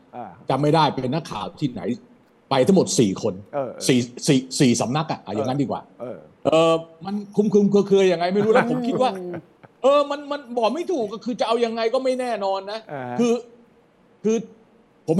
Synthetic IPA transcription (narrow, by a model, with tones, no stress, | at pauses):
t͡ɕa˧mːa˥˩jdaː˥˩jpe˧nːa˦˥˩kʰːa̰ː˨˩wt̪ʰiː˥˩na̰˩˦j | pa˧jt̪ʰa˦˥ŋmo˨˩t̪̚siː˨˩kʰo˧nsiː˨˩siː˨˩siː˨˩sa˩˦mna˦˥k̚ʔa̰˨˩ʔa̰˨˩ja˨ŋa˦˥ndiː˧kwa̰ː˨˩ | ʔɤː˨˩ma˧nkʰu˧mkʰɯ˧mkʰːkʰɯ˧əja˨˩ŋːa˧jma˥˩jɾu˦˥lɛ˦˥pʰo˨˦mkʰi˥˦t̪waː˥˩ | ʔɤː˧ma˧nma˧nbɔː˨˩ma˥˩jt̪ʰuː˨˩k̚ːɔ˥˩kʰɯː˧t͡ɕa˨˩ʔa˧wja˧ŋːa˧jkɔː˥˩ma˥˩jnɛː˥˩nɔː˧nːa˦˥kʰɯː˧ | kʰɯː˧ | pʰo˨˦m